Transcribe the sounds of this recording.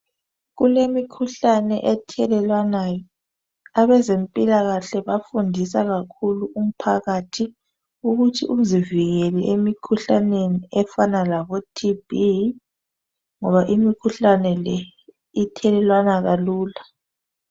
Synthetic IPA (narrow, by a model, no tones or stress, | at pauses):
ɣulemikʰuɬanɛʔɛtʰɛlɛlwanajɔ | aβɛzempʼilaɣaɬɛβafundʱisaɣakʰuluum̩pʰaɣatʰi | uɣutʰiʔum̩ziviɣeliʔemikʰuɬaneniɛfanalaβɔtʰibi | ŋɔβaʔimikʰuɬanɛlɛ | itʰɛlɛlwanaɣaluːla